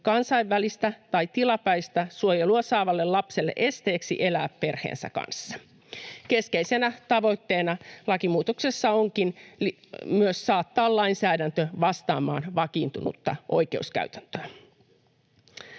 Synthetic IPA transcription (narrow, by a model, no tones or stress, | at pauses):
kɑnsɑjʋːælist̪æt̪ɑjt̪ilɑpæjst̪æsuojeluɑsɑːʋɑlːe̞llɑpselːḛʔe̞st̪e̞ːksḭʔe̞læːppe̞rhḛːnsæ̰kɑ̰nsːɑ̥ | ke̞skeise̞næt̪ɑʋo̞jt̪ːe̞ːnɑlɑkimuːt̪okse̞sːɑo̞ŋkinl | myøsːɑːt̪ːɑːllɑinsæːdænt̪øʋɑst̪ɑːmɑ̰ːnʋɑkiːnt̪unṵt̪ːɑ̰ʔo̞̰jke̞uskæ̰yɥt̪ænt̪øæ